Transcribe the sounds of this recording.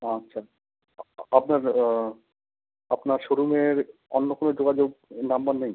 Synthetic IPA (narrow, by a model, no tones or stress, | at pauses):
atːɕʰa | apnaɾ | apnaɾʃoɾumeɾɔnːokonod͡ʑoɡad͡ʑoɡnambannej